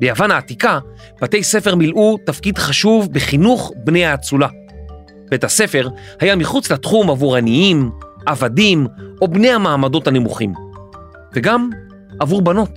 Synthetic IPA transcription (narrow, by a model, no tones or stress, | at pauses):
bejavanhaːtika | b̥ate̞jse̞fe̞ʁmilʔutafkidχaʃuvbeχinuχbnejhaːt͡sula | b̥e̞thase̞fe̞ʁ | hajamiχut͡slatχumavuʁaniimʔavadimo̞bne̞jamaːmado̞thanemuχim | veɡam | avuʁbano̞t